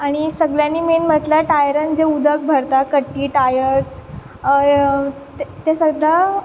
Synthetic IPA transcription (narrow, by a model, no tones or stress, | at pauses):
aɽ̃isəɡljãnːiːmenm̤əʈlaʈajəɾənd͡ʑeud̪ʱək̚bʱəɾt̪akəʈːiːʈajəɾs | t̪esəɡla